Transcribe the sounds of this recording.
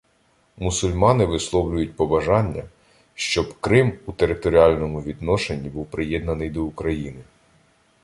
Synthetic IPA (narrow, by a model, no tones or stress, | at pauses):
mʊsʊlʲmɑnɪʋɪslˠɔwlʲʊjʊt̚ʲpɔbɐʒɑnʲːɐ | ʃt͡ʃɔbkɾɪmut̪eɾɪt̪ɔɾʲiɑlʲnɔmʊʋʲid̪nɔʃenʲːibuwpɾɪjɛd̪nɐnɪjd̪ɔʊkɾɐjinɪ